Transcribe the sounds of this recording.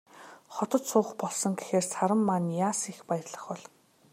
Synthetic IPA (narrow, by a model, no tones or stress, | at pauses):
χɔt̪ɞ̆t̪sʊːχpɔɮsɞ̆ŋɡexeːrsʰaɾə̆mːanjaːsixpajə̆rɮə̆χpɔɮ